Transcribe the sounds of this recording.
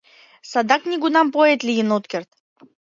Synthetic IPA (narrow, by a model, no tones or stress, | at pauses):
sad̪aknʲiɡunampoet̪lʲijinot̪kʲert̪